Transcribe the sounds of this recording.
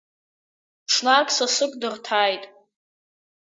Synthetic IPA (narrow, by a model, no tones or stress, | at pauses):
ʂʰnakʼsasɨkʷʼdɨrtʰaːjtʼ